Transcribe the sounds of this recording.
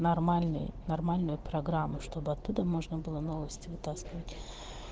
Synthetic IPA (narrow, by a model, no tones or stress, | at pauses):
nɐrmalʲnɨ̰jnɐrmalʲnʊjʊpɾɐɡɾamːʊʂt̪o̞bɨɐt̪ːud̪əmo̞ʐnəbɨlˠənovəsʲtʲɪvɨt̪askʲɪvətʲ